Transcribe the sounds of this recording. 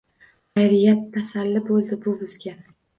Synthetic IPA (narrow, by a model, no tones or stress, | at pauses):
χajɾɪjat̪ʰːasalːɪbolˠd̪ɪbʊbʊzɡʲa